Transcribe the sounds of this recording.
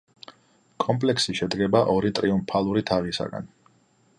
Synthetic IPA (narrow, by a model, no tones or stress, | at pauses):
kʼɔmpʼlɛksiʃɛd̪ɡɛbaʔɔɾit̪ʼɾiumpʰalˠuɾit̪ʰaʁisa̰ɡa̰n